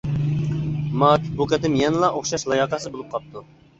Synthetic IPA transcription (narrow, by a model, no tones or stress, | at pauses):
mɑkʲbuqɛt̪ɪmjɛnlˠɑʔoχʃɑʃlˠɑjɑqɑsɨbolˠup̚qʰɑp̚t̪ʰu